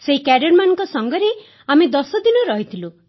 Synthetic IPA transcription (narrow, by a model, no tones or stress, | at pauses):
seɦikæɖɔɾmanɔŋkɔsɔŋɡɔɾe | amed̪ɔsɔd̪inɔɾɔɦit̪ʰilu